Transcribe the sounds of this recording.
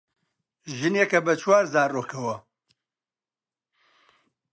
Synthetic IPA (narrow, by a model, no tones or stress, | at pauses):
ʒɨnjɛkɐbɐt͡ʃʰwaːɾzaːɾːoːkʰɐwɐ